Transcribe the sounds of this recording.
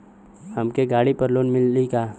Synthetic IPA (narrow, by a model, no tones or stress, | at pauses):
hɐmkeɡaːɽipɐɾloːnmɪlːikaː